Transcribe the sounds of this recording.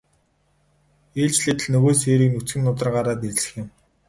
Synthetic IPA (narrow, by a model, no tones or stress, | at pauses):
eːɮt͡ɕɮet̪ɘ̆ɮnɵɣoːs̬eːɾiːknut͡sɡɘ̆mnʊt̪̬ə̆rɢaːɾaːt̪esɘ̥̆xjɪ̆m